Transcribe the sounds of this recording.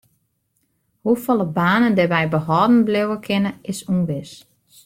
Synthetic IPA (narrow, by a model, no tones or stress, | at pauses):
hufɔlˠəbaːnəndɛʋɛjbəhɔːdn̩blɪwəkʰɪnəɪsunʋɪs